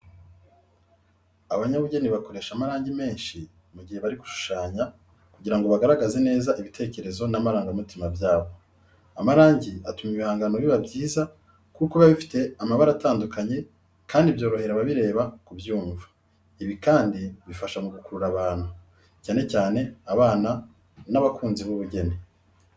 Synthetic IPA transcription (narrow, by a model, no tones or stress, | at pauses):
aβaɲaβuɟe̞niβako̞ɾe̞ːʃamaɾaːɲɟime̞ːnʃi | muɟihe̞βaɾiɡuʃu̥ʃaːɲa | kuɟiɾaŋɡo̞βaɡaɾaɡaze̞ne̞ːzaʔiβite̞ːce̞ɾe̞zo̞namaɾaːŋɡamutimabjaːβo̞ | amaɾaːɲɟiatumiβihaːŋɡano̞βiβabɟiːza | kukoβaβifi̥te̞amaβaɾataːndukaɲe̞ | kʰaːndibjo̞ːɾo̞he̞ɾaβaβiɾe̞ːβakubjuːɱvḁ | iβikaːndiβifaʃamuɡukuɾuɾaβaːn̥hu | caːne̞caːne̞aβaːna | naβakʰuːnziβuβuɟe̞ne